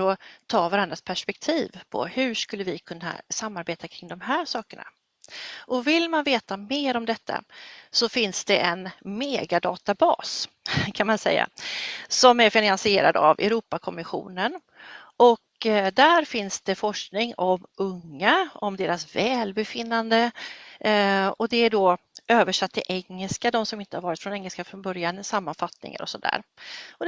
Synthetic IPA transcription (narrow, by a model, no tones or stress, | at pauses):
ɔt̪ʰɑːvaɾand̪ɾaspʰæʂpɛk̚t̪ʰiːvpʰɔ̰hɵ̟ʂkɵlːəvɪkʰɵnːa̰samːaɾbeːt̪akʰɾɪŋd̪ɔmɦæːɾʂɑːkəɳa̰ | ʔɔvɪlmanveːt̪ameːɾɔmd̪ɛt̪ʰːa̰sɔfɪnsd̪ɛʔɛnmeːɡad̪ɑ̰ːt̪abɑ̰ːs | kʰanmansɛ̰jːa̰sɔmæɾfɪnansɪeːɾa̰d̪a̰vɛ̰ɾuːpakʰɔmɪɧṵːnən | ʔɔkd̪æɾfɪnsd̪̥ɛfɔʂknɪŋɔmɵŋːaɔmd̪eːɾasvɛːlbɛfɪnːand̪ə | ɔd̪ɛæɖo | øːvəʂat̪ːɪʔɛŋːəlskad̪ɔmsɔmɪnt̪əhaɾvɑːɾɪt̪fɾɔnɛŋːəlskafɾɔnbœɾjanɪsamːanfat̪nɪ̰ŋa̰ɾɔ̰sɔd̪æ̰ːɾɔ